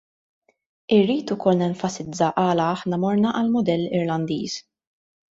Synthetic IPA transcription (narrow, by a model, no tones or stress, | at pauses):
ɪrːiːt̪ʊkɔlnɛɱfɐsɪd͡zːɐʔɐːlɐɐħnɐmɔɾnɐʔɐlmʊd̪ɛlːɪɾlɐnd̪ḭːs